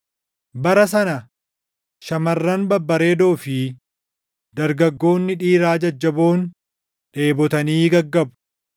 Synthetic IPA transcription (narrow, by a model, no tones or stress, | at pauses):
bɐɾɐs̬ɐnɐ | ʃɐmɐrːɐnbɐbːɐɾe̞ːd̪oːfɪ | d̪̥ɐɾɡɐɡːo̞ːnːɪᶑiːɾaːd͡ʒɐd͡ʒːɐbo̞ːn | ᶑe̞ːbɔt̪ɐniːɡɐɡːɐbʊ̥